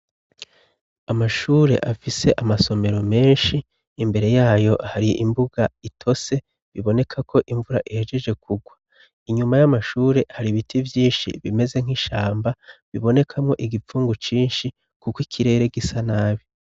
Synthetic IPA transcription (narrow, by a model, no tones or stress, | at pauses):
amaʃuːɾe̞̰ʔafise̞ʔamaso̞me̞ɾo̞me̞ːnʃiː | mbe̞ɾe̞jaːjo̞haɾiimbuɡ̥aitʰo̞se̞ | βiβo̞ne̞kʰakʰo̞ʔiɱvuɾaʔihe̞d͡ʒe̞ʒe̞kʰuɡwa | iɲumajamaʃuːɾe̞haɾiβitʰivjiːnʃḭβime̞ze̞ŋ̥iʃaːmbaβiβo̞ne̞kʰamŋo̞ʔiɡifuːŋɡut͡ʃiːnʃi | kukwikʰiɾe̞ːɾe̞ɡisanaːβi